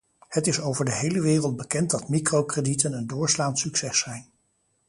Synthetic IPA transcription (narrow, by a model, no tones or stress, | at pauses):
hətɪsowvəɹdəɦejləʋɪːrəlˠd̚bəkɛntdɑtmikrowkreditənəndʊːɹslaːntsyksɛsɛjn